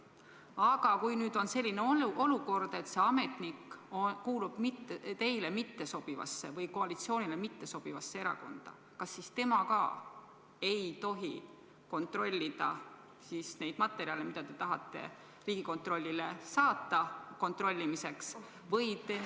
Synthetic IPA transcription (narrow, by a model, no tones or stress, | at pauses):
ɑɡ̥ɑkujnyːd̪̥o̞nse̞lʲːineolo̞luko̞rd̪̥e̞t̪se̞ɑme̞t̪nikːokuːlub̥mit̪ːt̪e̞jlemit̪ːe̞so̞b̥ivɑ̰sːe̞̰vɤjko̞ɑlit̪sio̞ːnilemit̪ːe̞so̞b̥ivɑsːeeɾɑ̰ko̞̰nd̪̥ɑ̰ | kɑsːist̪e̞mɑkɑː | e̞jt̪o̞ɦi | ko̞nt̪ro̞lʲːid̪̥ɑ̰ | sisne̞jd̪̥mɑt̪ːˑeɾiɑlemid̪ɑt̪e̞t̪ɑɦɑt̪ˑːe̞̰ | riːɡ̥iko̞nt̪ro̞lʲːilesɑːt̪ːˑɑko̞nt̪ˑrolʲːimise̞ks | vɤjt̪e